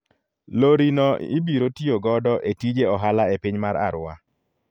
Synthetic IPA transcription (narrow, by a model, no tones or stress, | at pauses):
loɾinɔibiɾotioɡɔdɔʔetid͡ʒeɔɦalaepiɲmaɾa̰ɾʊa̰